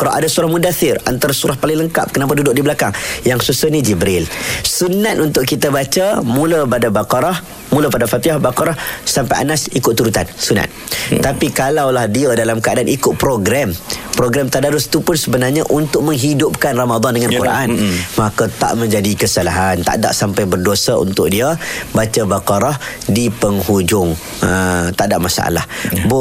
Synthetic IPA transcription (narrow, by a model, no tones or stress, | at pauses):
kɾa̰ʔadasuɾahmudaθɪra̰nt̪aɾasuɾahpalɪŋləŋka̰p̚kənap̬adudʊʔdibəlakaŋjaŋsusəhnid͡ʒibɾɪlsunat̪unt̪ʊʔkit̪abat͡ʃəmũləpadabakɑɾah | mũlapadafat̪iahbakaɾahsampajʔa̰nasikʊt̪t̪ːuɾut̪a̰nsuna̰t̪̚apikalawlahdiədalamkəadanʔikʊt̪̚pɾoɡɾampɾoɡɾamt̪aʔdaɾʊst̪upʊnsəbənarɲaʔunt̪ʊk̚mə̃ŋɦidʊp̚kanramad̪ɑndəŋãnkuɾʔa̰nmakat̪a̰ʔmə̃ɲd͡ʒadikəsalaɦant̪a̰ʔda̰ʔsampajbərduosaṵnt̪ʊʔ̚diabat͡ʃabakaɾahdipəŋhud͡ʒʊŋ | ət̪aʔdaʔmasa̰ʔa̰la̰hb